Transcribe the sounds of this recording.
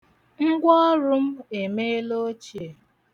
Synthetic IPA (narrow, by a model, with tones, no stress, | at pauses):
ŋ̩˦ɡʷɔ˦ɾʊ˦m̩˦e˨me˦e˦lo˦t͡ʃi˨e˨